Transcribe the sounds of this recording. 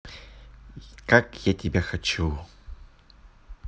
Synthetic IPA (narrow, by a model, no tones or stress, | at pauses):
kakjatʲɪbʲaxɐt͡ʃu